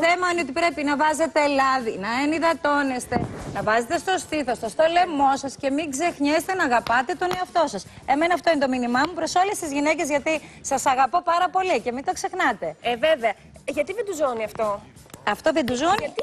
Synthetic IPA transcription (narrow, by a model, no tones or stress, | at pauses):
θemɐineo̞t̪̬ipɾe̞pinɐvɐze̞t̪elɐðinɐeniðɐt̪o̞ne̞st̪e̞nɐvɐze̞t̪e̞st̪o̞st̪iθo̞st̪ost̪o̞le̞mo̞sɐsce̞miɡze̞xɲest̪enɐːɣɐpɐt̪e̞t̪o̞neoɐft̪o̞sɐs | e̞me̞nɐft̪o̞int̪o̞minimɐmupɾo̞so̞le̞st̪izʝinece̞zʝɐt̪isɐsɐɣɐpo̞pɐɾɐpo̞lice̞mint̪o̞kse̞xnɐt̪e̞eveveɐ | ʝɐt̪iðend̪uzoniɐft̪o̞ | ɐft̪o̞ðend̪uzoni